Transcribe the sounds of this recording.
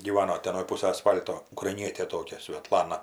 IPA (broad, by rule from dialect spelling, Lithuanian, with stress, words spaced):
ɡʲiːˈʋɑːnoː ˈtʲɛn ɐnoːj ˈpuːsɐj ɐˈsfɐlʲtoː ʊkrɐɪˈnʲiɛtʲeː ˈtoːkʲɛ sʲʋʲɛˈtlˠɑːnɐ